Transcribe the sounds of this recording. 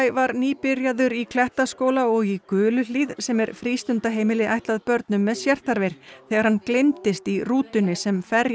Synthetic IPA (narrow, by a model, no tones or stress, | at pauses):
jvaɾniːpɪɾjaðʏɾikʰlɛht̪askoːwlaɔɣikʏːlʏliðsɛmɛɾ̥fɾiːst̪ʏnt̪aɦeːjmɪlɪʔajht̪laðpœɾt̪̚nʏmːɛðsjɛr̥t̪aɾvejɾ̥θɛːɣaɾ̥hanklejnt̪ɪst̪iruːt̪ʏnɪsɛmfɛɾ